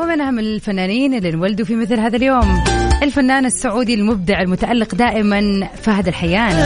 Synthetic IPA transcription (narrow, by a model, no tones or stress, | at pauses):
wɪmɪnhamɪlfanːaːniːnɪlːinwald̪ufimɪθlɦaːðaljoːmʔɪlfanːaːnɪsːʊʕuːd̪ilmʊb̚d̪ɪʕɪlmʊt̪aʔalːɪqd̪aːʔɪmanfahd̪ɪlħajaːn